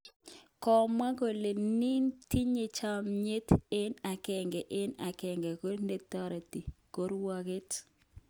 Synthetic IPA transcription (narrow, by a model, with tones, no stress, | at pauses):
kɔ˨ma˦ɡo˨le˨ni˦nti˦ɲe˨t͡ʃa˦mɲe˦tɪ˦na˨kɛ˨ŋɡɛ˨ʔɪ˦na˨kɛ˨ŋɡɛ˨ko˦ne˨t̪ɔ˦ɾa˨ti˨ko˦ɾwa˦ɡɪ˦t